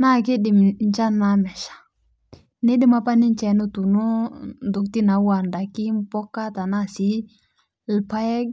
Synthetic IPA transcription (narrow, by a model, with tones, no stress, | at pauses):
na˦˨kɪ˦ɗɪ˨m˨n˦t͡ʃa˦na˨˦mɛ˨ʃḁ˨ | nɪ˦dɪ˦ma˦pa˦nɪ˦n˦t͡ʃɛ˨˦no˦tu˨no˦ndʊ˨k̚ti˦na˨˦wa˨nda˨kɪ˦m˦pɔ˦ka˦ta˨na˦˨si˨˦ | lpa˦ɛ˦ɡ̚